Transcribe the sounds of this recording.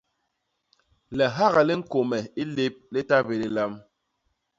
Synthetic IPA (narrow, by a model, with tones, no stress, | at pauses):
lɛ˨ɦa˦ɣa˨li˦ŋ̩˦ko˨mɛ˨i˦le˦p̚li˦ta˦be˨li˦la˦m